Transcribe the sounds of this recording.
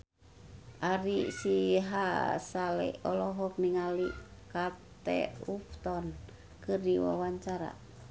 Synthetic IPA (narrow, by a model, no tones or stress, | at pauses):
ʔaɾisiɦasalɛ̰ɔlɔɦɔk̚niŋalikat̪ɛ̰uft̪ɔn | kɨrdiwa̰waɲt͡ʃaɾa̰